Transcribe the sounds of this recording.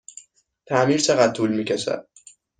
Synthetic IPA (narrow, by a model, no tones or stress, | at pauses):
t̪ʰæmiːɾt͡ʃʰeɣæt̪̚t̪ʰːuːlmiːcʰæʃæ̰d̪̥̚